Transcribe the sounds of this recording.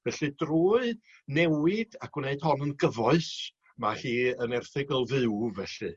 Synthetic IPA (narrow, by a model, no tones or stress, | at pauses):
vɛɬɨdruːɨ | nɛwɪd̥akwneɨd̥hɔnənɡəvɔɨs | mahiːənɛrθɪɡɔlˠðɨwvɛɬɨ̰